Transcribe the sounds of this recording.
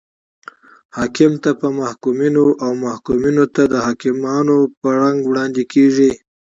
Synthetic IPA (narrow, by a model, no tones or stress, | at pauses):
hɑkɪmt̪apəmahkuminoʔawmahkuminot̪ad̪əhɑkɪmɑnopəɾaŋɡwɽɑnd̪ekeʐi